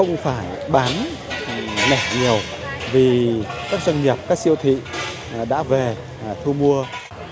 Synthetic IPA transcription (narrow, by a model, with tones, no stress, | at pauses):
ə˧wŋ͡mfaː˧˩j | ɓaː˨˦n˨ | nɛ˧˩ɲi˨˩əw | vi˨˩kaː˦˥k̚za˧ŋɲi˨˩əp̚kaː˦˥k̚si˧əwt̪ʰḭ˧˨˩ | ɗa̰ː˧˥ve˨˩˨ | t̪ʰu˧mu˧ə